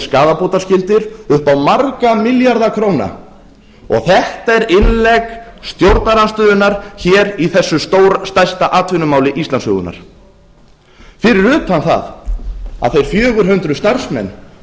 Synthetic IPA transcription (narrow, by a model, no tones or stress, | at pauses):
skaːðapoːwt̪ascɪlt̪ɪɾʏhpawmaɾkamɪljaɾðakʰɾowna̰ | ɔ̰ɣθɛht̪aɛɾɪnlɛkst̪jowɾt̪naɾanst̪ʏːðʏnaɾ̥çɛːɾiθɛsːʏst̪oːwɾst̪ajst̪aʔaːt̪ʰvʏnʏmaːwlɪʔist̪anshʏ̰ɣʏ̰na̰ɾ̥ | fɪɾɪɾʏphanθa̰ð | a̰ðθejɾ̥fjœːɣʏɾ̥ɦʏnt̪ɾʏst̪arsmɛ̰nː